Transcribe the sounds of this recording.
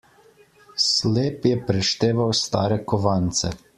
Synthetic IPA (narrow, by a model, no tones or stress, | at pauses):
sleːpjɛpɾɛʃt̪eːʋawst̪a̰ːɾɛkɔʋant̪sɛ̰